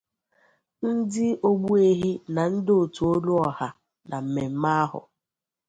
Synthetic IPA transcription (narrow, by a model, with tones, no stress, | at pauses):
n̩˦dɪ˦o˦ɡ͡bu˦e˦ɦi˦na˨n̩˦do˨tu˨o˦lu˦ɔ˨ha˨ | na˨m̩˨me˨m̩˦ma˦a˦ɦʊ̰˨